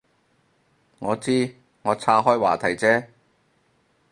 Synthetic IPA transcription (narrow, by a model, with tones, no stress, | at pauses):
ŋɔː˨˧t͡siː˥ | ŋɔː˨˧t͡sʰaː˥ɦɔː˥jwa̰ː˨˩t̪ʰɐ˨˩jt͡sɛː˥